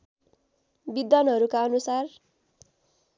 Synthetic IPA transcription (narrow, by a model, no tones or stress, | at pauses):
bid̪ʌnɦʌɾukaʌnusar